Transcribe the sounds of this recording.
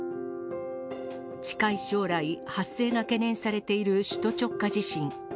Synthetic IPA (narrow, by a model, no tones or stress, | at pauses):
t͡ɕi̥kaiɕo̞ːɾaihase̞ːɡake̞nẽ̞ɰ̃saɾe̞t̪e̞iɾɯ̟ɕɨ̥t̪o̞t͡ɕo̞kːad͡ʑiɕĩŋ